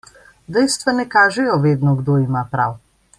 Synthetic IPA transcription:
d̪ɛjst̪ʋanɛkaːʒɛjɔʋeːd̪nɔɡd̪oimapɾa̰w

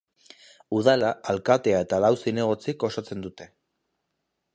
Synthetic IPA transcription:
uð̞alaːlkat̪e̞ae̞t̪alawsine̞ɣ̞o̞t͡siko̞sat͡se̞nd̪ut̪e̞

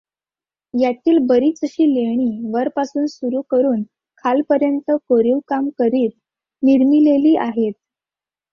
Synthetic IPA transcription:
jat̪ʰiːlbəɾiːt͡səɕiːleɽ̃iːʋəɾpasuːnsuɾukəɾuːn | kʰalpəɾjənt̪əkoɾiʋkamkəɾiːt̪̚ | niɾmileliːʔaɦet̪̚

